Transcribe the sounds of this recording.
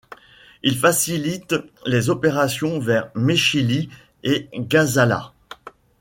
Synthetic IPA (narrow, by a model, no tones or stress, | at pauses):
ilfasilit̪lezɔpeʁasjɔ̃vɛʁmeʃili | eɡazala̰